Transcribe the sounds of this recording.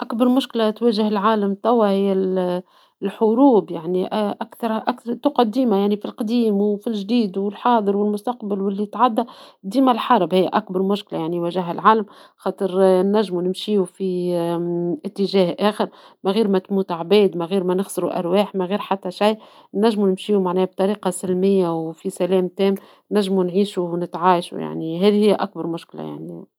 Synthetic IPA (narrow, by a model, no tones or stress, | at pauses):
ʔakbɑɾˤmʊʃklat̪wæːʒɪhɪlʕaːləmt̪æwːahɪjːæ | lħʊɾuːbjaʕniʔʔakθɑɾˤʔækθɾˤt̪ʊqɑd̪iːmajaʕnifilqd̪iːmwfilʒd̪iːd̪wɪlħɑːðˤəɾwɪlmʊst̪ɑqbalwɪlːit̪ʕad̪ːæd̪iːmælħɑɾˤbhɪj̰ːʔækbɑɾˤmʊʃkla̰jaʕniwæʒɪɦælʕaːləmxɑːt̪ˤəɾnːæʒːmunɪmʃiːufi | ʔɪt̪ːɪʒæːhʔæːxəɾ | mæɣiːɾmæt̪muːt̪ʕbɛːd̪mæɣiːɾmænɪxsɪɾuʔæ̰ɾˤwɛːħmæɣiːɾħat̪ːæʃaj | nːæʒːmunɪmʃiːumaʕnɛːb̚t̪ˤɑɾiːqɑsɪlmɪjːawfisælɛːmt̪ɛːm | næʒːmunʕiːʃuwnɪt̪ʕaːʃṵja̰ʕniɦæːðihɪjːæʔæk̚bɑɾˤmʊʃklæ̰ja̰ʕni